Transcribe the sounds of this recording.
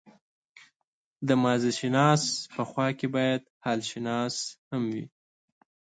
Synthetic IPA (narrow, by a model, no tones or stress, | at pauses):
d̪əmɑziʃɪnɑspəxwɑkebɑjad̪hɑlʃɪnɑshamwḭ